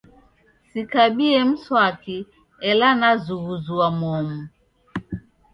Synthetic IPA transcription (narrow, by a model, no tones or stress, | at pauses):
sikaɓiɛm̩swaki | ɛlanazuɣuzuamɔmu